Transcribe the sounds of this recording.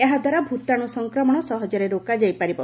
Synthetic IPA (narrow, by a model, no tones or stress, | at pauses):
eɦad̪ʱwaɾabʱut̪aɽ̃usɔŋkɾɔmɔɽ̃ɔsɔɦɔd͡ʒɔɾeɾokad͡ʒajpaɾibɔ